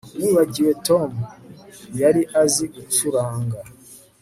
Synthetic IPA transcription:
niːβaɟiwe̞tomujaɾiʔaziɡut͡suɾaːŋɡa

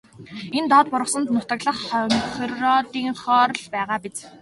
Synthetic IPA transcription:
ent̪ɔːt̪̚pʊɾə̆sə̆nt̪nʊt̪ə̆kɮə̆χχrɔːt̪iːŋχɔːɾɮpæːʁaːpit͡s

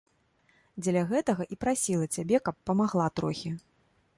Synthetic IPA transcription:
d͡zʲɛlʲɐɣɛt̪ɐɣɐʔipɾasʲilˠɐt͡sʲabʲɛkɐpːɐmaɣlˠat̪ɾɔxʲi

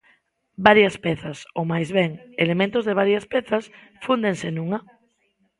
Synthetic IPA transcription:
baɾjɐspɛθasomajzβɛŋelemẽnt̪ozðeβ̞aɾjɐspɛθas | fund̪eŋsenũŋa

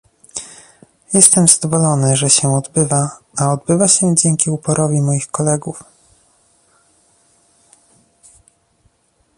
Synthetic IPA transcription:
jɛst̪ɛmzad̪ɔvɔlɔnɘʐɛɕɛɔd̪bɘvaaɔd̪bɘvaɕɛd͡ʑɛŋkʲiupɔɾʔɔvʲimɔjixkɔlɛɡuf

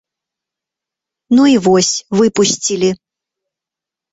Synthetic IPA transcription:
nuivɔsʲvɨpusʲt͡sʲilʲi

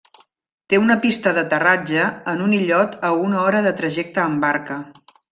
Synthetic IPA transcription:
t̪eunəpist̪əðət̪ərad͡ʒəːnuniʎɔt̪əunəɔɾəðət̪ɾəʒɛk̚t̪əːmbaɾkə

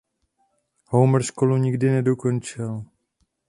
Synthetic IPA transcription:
howmr̩ʃkoluɲɪɡdɪnɛdoko̞nt͡ʃɪl

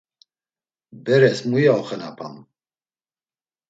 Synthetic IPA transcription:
bɛɾɛsmujaɔχənapʰa̰m

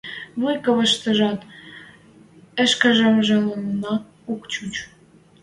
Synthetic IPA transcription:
βujkə̆βə̆ʃt̪ə̆ʒɑt̪ | ə̆ʃkə̆ʒəmʒĕlə̆mnɑ | ukt͡ɕut͡ɕ

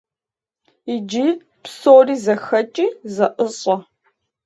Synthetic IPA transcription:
id͡ʒi | psoːriːzɐxɐt͡ʃʼiːzɐʔəɕʼɐ

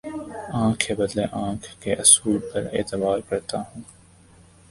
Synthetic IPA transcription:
ãːkʰːebɐd̪leʔãːkʰːeʔɐsuːlpɐɾḛːt̪ɪbaːɾkɐɾt̪aɦũː

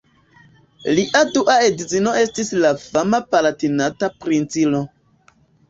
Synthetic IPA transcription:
liʔaduʔaedit͡sino̞e̞stislafamapalatinatapɾint͡silo

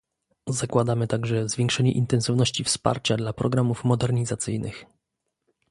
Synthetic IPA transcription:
zakwad̪amɘt̪aɡʐɛzvʲjɛŋkʂɛɲɛʔint̪ɛnsɨvnɔɕt͡ɕifspa̰ɾt͡ɕad̪lapɾɔɡɾamufmɔd̪ɛɾɲizat̪sɘjnʔɘ̰x

